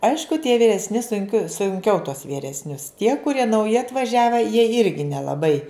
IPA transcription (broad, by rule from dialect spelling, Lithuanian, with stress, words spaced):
ˈɐɪʃkʊ tʲiɛ ʋʲiːrʲɛsʲˈnʲɪ sʊŋʲˈkʲoː sʊŋʲˈkʲɛʊ tuɔs ʋʲiːrʲɛsʲˈnʲʊs tʲiɛ kʊˈrʲiɛ nɐʊˈjɪ ɐtʋɐˈʒʲæːʋʲɛ jiɛ ˈɪrʲɡʲɪ nʲɛlˠɐˈbɐɪ